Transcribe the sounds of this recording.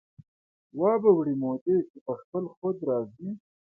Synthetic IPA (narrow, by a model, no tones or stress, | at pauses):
wɑːbawɽimod̪ekepəxpəlxod̪ɾɑzi